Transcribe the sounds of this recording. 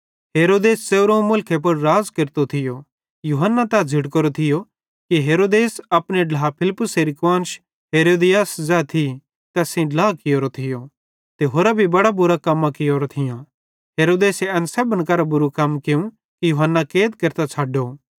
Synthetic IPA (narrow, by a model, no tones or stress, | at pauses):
ɦeːɾoːd̪eːsseɾõmʊlkʰep̬ʊɾːaːzkɪɾt̪ot̪ʰɪjo | juːɦənːat̪ɐd͡zʱɪɽkɐɾot̪ʰɪjo | kiɦeːɾoːd̪eːsɐpɽ̃eɖlaapʰɪlɪpːʊseːɾikʋãːnʃ | ɦeːɾoːd̪ɪjaːszɛːt̪ʰi | t̪ɛːsĩɖlaːkɪjoːɾot̪ʰɪjo | t̪eɦoːɾabʱibɐɽabʊɾakɐmːãkɪjoːɾot̪ʰɪjã | ɦeːɾoːd̪eːseɐnsɛːbənkɐɾabʊɾukɐmkeũ | kijuːɦənːakeːt̪̚keɾt̪at͡sʰaːɖo